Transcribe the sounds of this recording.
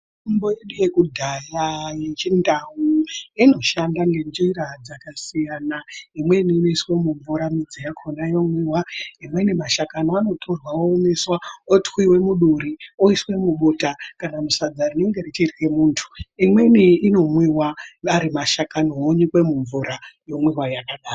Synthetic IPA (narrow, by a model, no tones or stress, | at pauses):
mbojeɗuje̞kudʱajajet͡ʃindawuino̞ʃandaŋɡe̞nd͡ʒiɾad͡zakasijanaimwe̞niːnoiswe̞muɱvuɾamid͡zijakʰonaijomwiwaimwe̞nimaʃakanoano̞tʰo̞rwawoːmeswaotxwiwe̞muɗuɾioiswe̞muɓoːtakanamusad͡zarine̞ŋɡe̞rit͡ʃitxemuːntʰu̥imwe̞niːno̞mwiwaaɾimaʃakanooɲikwe̞muɱvuɾajo̞mwiwajakaɗaːro